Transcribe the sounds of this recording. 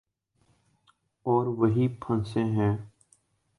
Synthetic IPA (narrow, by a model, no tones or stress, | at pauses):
ɔːɾʋɐɦipʰə̃nsẽɦɛ̃ː